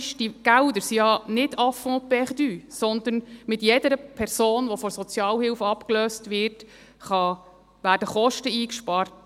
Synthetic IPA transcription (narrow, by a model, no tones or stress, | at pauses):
ʃdiɡ̥æwd̪əɾsijɑnɪdɑfɔ̃ːpɛχd̪yːsɔnd̪ənmɪtjɛdəɾəpʰɛɾsoːnʋɔfɔsɔt͡sjɑːlhɪlfɑpkløːstʋɪrt | χɑ | ʋæːrdəχɔʃtəiːkʃpɑːrt